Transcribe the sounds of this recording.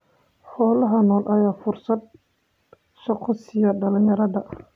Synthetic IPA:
ħɔːlɐɦɐnɔːlʔɐjaːfʊrsɐd̪̚ | sɔqɔsɪjɐɖɐlɪŋjɐɾɐðɐ

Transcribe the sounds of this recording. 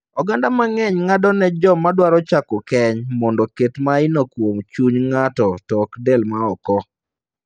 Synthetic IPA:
ɔɡandamaŋɛɲŋadɔnɛd͡ʒɔmadwaɾɔt͡ʃakokɛɲmɔndɔketmaɪnokwomt͡ʃuɲŋatɔtɔkdɛlmaɔkɔ

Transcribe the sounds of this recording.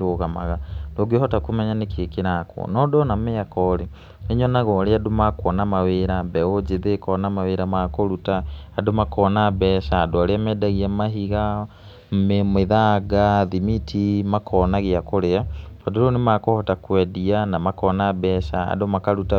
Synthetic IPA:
ɾoɣamaɣadoɡehɔtakomɛɲanekeekeɾakwɔ̰nɔdɔnameakɔɾe | eɲɔnaɣɔɾeadomakwɔnamaweɾabɛod͡ʑeðekɔnamaweɾamakoɾutaːdomakɔːnabɛːʃaːdoaɾeamɛːdaɣiamaɦiɣa | memeðaɡaðimitʰimakʰɔnaɣiakoɾeapadoɾonemakohɔtakwɛdianamakɔːnabɛʃaa̰domakaɾuta

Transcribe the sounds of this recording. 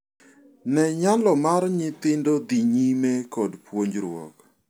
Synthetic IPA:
nɛɲalɔmaɾɲɪt̪ɪndod̪iɲimɛkɔdpwoɲd͡ʒɾwɔ̰k

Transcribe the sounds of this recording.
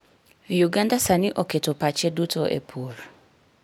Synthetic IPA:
juɡãndasanɪ̃ʔɔkʰetʊpʰat͡ɕʰɛdutʰɔʔɛ̰pʰuɾ

